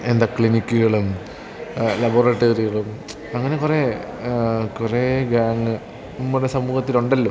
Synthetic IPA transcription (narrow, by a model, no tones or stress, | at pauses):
e̞nd̪aːkɭinikʲːuɣɐɭum | lɐboːreːʈːoːriɣɐɭum | ɐŋːɐne̞kure | kureɡaːŋɨ | numːuɽesɐmuːɣɐt̪ːiluɳɖɐlːoː